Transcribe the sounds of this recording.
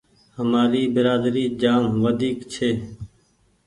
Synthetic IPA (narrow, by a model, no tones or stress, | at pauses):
həmaːɾiːbɪɾaːd̪ɾiːd͡ʒaːmʋəd̪ʱiːkt͡ʃʰeː